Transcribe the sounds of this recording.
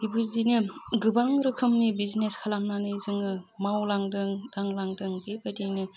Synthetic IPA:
ibɯdinɯɡɯbaŋɾɯkʰɯmnibizneskʰalamnanɯjzɯŋɯmawlaŋdɯŋdaŋlaŋdɯŋbebadinɯ

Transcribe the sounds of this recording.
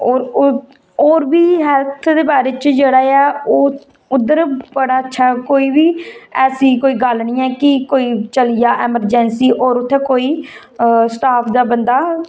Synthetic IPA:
ɔːɾ | ɔːɾbiːɦɛlt̪ʰd̪eːbaːɾeːt͡ʃd͡ʒeːɽaːɛːoː | ʊd̪ːəɾbəɽaːətːʃʰaːkoːiːbiːɛːsiːkoːiːɡəlniːɛːkɪkoːiːt͡ʃəlijaːʔɛːməɾd͡ʒɛnsiːʔɔːɾʊt̪ʰːeːkoːiː | sʈaːpʰd̪aːbənd̪aː

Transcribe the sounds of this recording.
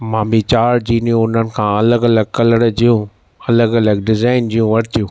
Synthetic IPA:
mãːbʱit͡ɕaːɾd͡ʑiːnijũʊn̤ənɪ̆kʰãːɐləɡɐləɡ̚kɐləɽd͡ʑiːũ | ɐləɡɐləɡɖɪzaːɪnd͡ʑiːjũʋɐɾt̪ijũː

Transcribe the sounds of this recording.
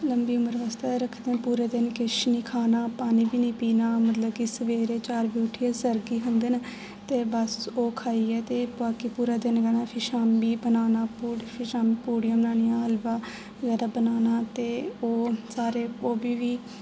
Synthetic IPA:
ləmbiːʊməɾʋaːst̪eɾəkʰd̪eːpuːɾeːd̪ɪnkɪʃniːkʰaːnaːpaːniːbiːnĩːpiːnaːmət̪ləb̚kɪsəʋeːɾeːt͡ʃaːɾbiːʊʈʰːiːɛːsəɾɡiːɦənd̪eːna | t̪eːbəsoːkʰaːiːɛːt̪eːaːkipuːɾaːd̪ɪnɡɛnãːpʰɪʃaːmbiːbənaːnaːpuʃaːmːpuːɽijãːbənaːnɪjãːəlbaː | zɛːd̪aːbənaːnaːt̪eːoːsaːɾeːoːbiːʋiː

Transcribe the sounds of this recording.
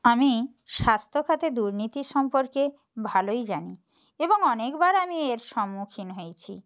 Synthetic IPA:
ami | ʃast̪ʰokʰat̪ed̪uɾnit̪iɾʃɔmpoɾke | bʱalojd͡ʑani | eboŋɔnekbaɾamieɾʃɔmːukʰinɦojt͡ɕʰi

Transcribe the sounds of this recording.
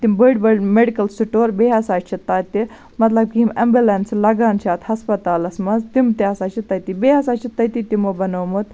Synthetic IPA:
t̪imbəɖbəɖmeɖikɐlsiʈoːɾbeɦɐsaːt͡ʃʰit̪ːaːt̪i | mɐt̪lɐb̚kimɐmbʲulenslɐɡaːnt͡ʃʰaːt̪hɐspɐt̪aːlɐsmɐzt̪imt̪iɐsaːt͡ʃʰit̪ɐt̪ibeɐsaːt͡ʃʰit̪ːɐt̪it̪imobɐnomot̪

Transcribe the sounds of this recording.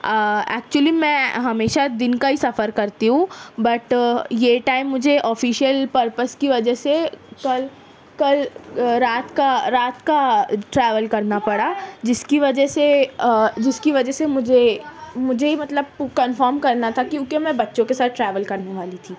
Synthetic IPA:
ɛ̰ːk̚t͡ʃuəlimɛ̃ɦɐmeːʃad̪ɪnkaɦisɐfəɾkɐɾt̪iɦũbɐʈjeʈaːɪmːʊd͡ʒʱeʔɔːfiːʃijəlpɐɾpəskiʋɐd͡ʒɛsekɐl | kɐlɾaːt̪kaɾaːt̪kaʈɾɛːʋəlkɐɾnapɐɽaːd͡ʒɪskiʋɐd͡ʒɛse | d͡ʒɪskiʋɐd͡ʒɛsemʊd͡ʒʱemʊd͡ʒʱemɐt̪ləb̚kɐ̃nfəːɾmkɐɾnat̪ʰakiʊkemɛ̃bɐtːʃõkesaːt̪̚ʈɾɛːʋəlkɐɾneʋaːlit̪ʰiː

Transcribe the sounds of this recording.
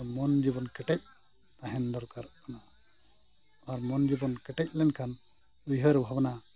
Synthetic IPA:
mɔnd͡ʒibɔnkɛʈɛc̚ | aɦɛnd̪ɔɾkaɾana | aɾmɔnd͡ʒibɔnkɛʈɛc̚ˀlɛnkʰan | ujɦəɾbʱabana

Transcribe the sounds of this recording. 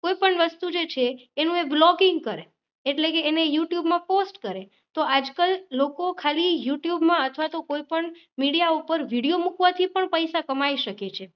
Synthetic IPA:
koipəɳʋəst̪ud͡ʒet͡ʃʰeːnũeblɔɡiŋɡ̚kəɾeː | ʈlekeːnejuʈjubmãposʈkəɾe | t̪oad͡ʒkəlːokokʰalijuʈjubmãət̪ʰʋat̪okoipəɳ | miɽijaupəɾʋiɽijomukʋat̪ʰipəɳpəjsakəmaiʃəket͡ʃʰe

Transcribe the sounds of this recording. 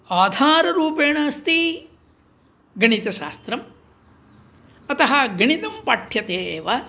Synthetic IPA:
aːd̪ʱaːɾɐɾuːpeːɳɐːst̪i | ɡɐɳit̪ɐʃaːst̪ɾɐm | ɐt̪ɐɦɐɡɐɳit̪ɐmpaʈʰjɐt̪eːʋɐ

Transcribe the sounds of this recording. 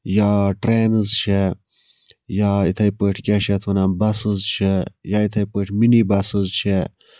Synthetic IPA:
jaːʈɾeːnɨzt͡ʃʰe | jaːit̪ʰɐjpəʈʰkʲaʃet̪ʰwɐnanbɐsɨzt͡ʃʰejaːit̪ʰɐjpəʈʰminibɐsɨzt͡ʃʰe

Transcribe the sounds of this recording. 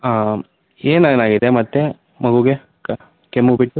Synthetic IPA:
a | eːneːnaːɡid̪emɐt̪ːe | mɐɡuɡe̞ | k | kemːubiʈːu

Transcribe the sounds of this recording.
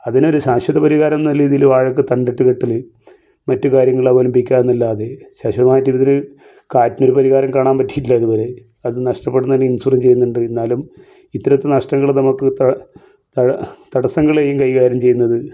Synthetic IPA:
ɐðino̞ɾuɕaːɕʋɐðɐpɐɾiɣaːɾɐmnɐlːiːðilʋaːɻɐk̬ːɨt̪ɐɳɖeʈːɨkeʈːilɨ | mɐtːɨkaːɾjɐŋːɐɭɐʋolɐmbikʲːaːɾnːilːaːðeɕaːɕʋɐðɐmaːjɐtːiʋɐðinɨ | kaːtːino̞ɾupɐɾiɣaːɾɐmkaːɳaːnpɐtːi̥jiʈilːɐðuboɾe̞ | ɐðɨnɐʂʈɐpːeɽunɐinːeinsurɐmt͡ɕe̞jːunːuɳɖɨe̞nːaːlum | it̪ːɐɾɐt̪ːenɐʂʈɐŋːɐɭnɐmukːɨt̪ɐ | t̪ɐt̪ɐɽɐsɐŋɡɐɭe̞ːjumkɐjɣaːɾjɐmt͡ɕe̞jːunːɐðɨ

